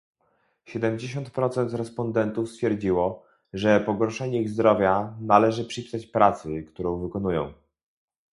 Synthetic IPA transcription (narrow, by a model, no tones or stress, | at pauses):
ɕɛd̪ɛmd͡ʑeɕɔ̃nt̪pɾɔt̪sɛnt̪ɾɛspɔnd̪ɛnt̪ufst̪fʲjɛɾd͡ʑiwɔ | ʐɛpɔɡɔɾʂɛɲɛɣzd̪ɾɔvʲjanalɛʐɘpʂɘpʲi̥sat͡ɕpɾat̪sɘkt̪uɾɔ̃w̃vɘkɔnujɔ̰̃w̃